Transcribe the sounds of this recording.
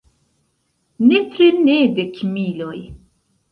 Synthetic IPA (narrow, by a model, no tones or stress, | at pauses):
net̪ɾenedekʰmiloj